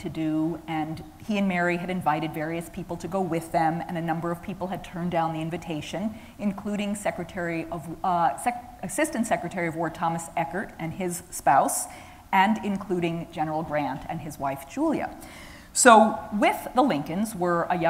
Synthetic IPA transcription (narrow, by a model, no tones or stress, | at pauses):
tʰɨdɨɨ̃n | iɨ̃nmɛɹiɨɾɨ̃ɱvaɪɾɨdvɛɹiɨspʰipl̩ˠtʰɨɡoʊwɪðɨ̃mɨ̰̃ñɨnʌ̃mbə˞ʌv̥pʰipl̩ˠɨd̚tʰɜ̃˞ndãʊ̃nðiɪ̃ɱvɨtʰeɪʃɨ̃n | ɨ̃nkʰl̥uɾɪ̃ŋsɛkɹɨtʰɛɹiʔʌv | ɨsɪstɨ̃n̩tsɛkɹɨtʰɛɹiʌvwɔɹd̚tʰɑmɨsɛkə˞ɾʔɨ̃nɪz̥spaʊs | ɨ̃nɪ̃nkʰl̥uɾɪ̃ŋd͡ʒɛnə˞l̩ˠɡɹæ̃ntʰɨ̰̃nɨzwaɪfd̥ʒ̥ulˠjɨ̰ | soʊwɪððəlɪ̃ŋkɨ̃nzwə˞ʔəjʌ̃